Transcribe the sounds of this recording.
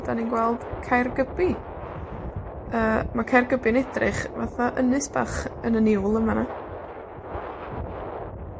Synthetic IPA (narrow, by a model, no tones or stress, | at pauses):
d̥aninɡwɛlˠd̥kʰajrɡəbi | əːmakʰajrɡəbɪənɛdrɪχvaθaʔənɨsb̥aχənənɪwlˠəmana